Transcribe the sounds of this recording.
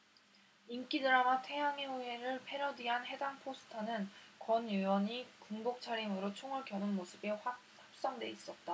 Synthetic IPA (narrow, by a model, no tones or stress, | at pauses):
ink͈idɯɾamatʰe̞jaŋeue̞ɾɯɭpʰe̞ɾʌdiɦanɦe̞daŋpʰosʰɯ̥tʰanɯnkwʌnjuwʌɲikuŋbok̚t͡ɕʰaɾimɯɾot͡ɕʰoŋɯɭkjʌnɯnmosʰɯbeɸa | hap̚s͈ʌŋdwe̞is͈ʌt̚t͈a